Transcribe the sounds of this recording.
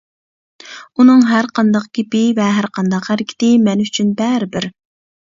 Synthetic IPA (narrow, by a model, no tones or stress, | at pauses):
unɨŋɦæɾqʰɑnd̪ɑq̚ɡʲepɪvɛɦæɾqʰɑnd̪ɑqhæɾɪkʲʰɪ̥t̪ɪmɛnyt͡ʃʰynbɛɾɪbɪɾ